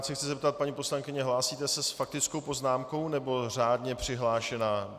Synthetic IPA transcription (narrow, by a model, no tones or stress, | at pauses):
sɛxtt͡sɪzɛp̚t̪at̪̚paɲiːpo̞slaŋkɪɲɛɦlaːsiːt̪ɛsɛsfak̚t̪ɪt͡sko̞wpo̞znaːmko̞wnɛbo̞r̝aːdɲɛpr̝̥ɪɦlaːʃɛnaː